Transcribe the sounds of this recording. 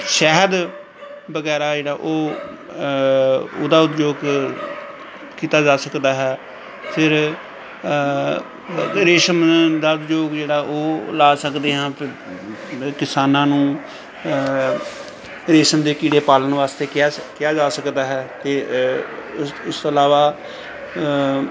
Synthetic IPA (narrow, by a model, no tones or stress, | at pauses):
ʃɛɦəd̪ | bəɡɛːɾaːd͡ʒeːɽaːʔoː | oːd̪aːʊt̪d͡ʒoːɡ | kiːt̪aːd͡ʒaːsəkd̪aːɦɛː | pʰɪɾ | ɾeːʃəmd̪aːʊt̪d͡ʒoːɡd͡ʒeːɽaːʔoːlaːsəkd̪eːɦãːpʰɪɾ | kɪsaːnãːnũː | ɾeːʃəmd̪eːkiːɽeːpaːlənʋaːst̪eːkːkɪjaːd͡ʒaːsəkd̪aːɦɛːt̪eː | ʊst̪oːəlaːʋaː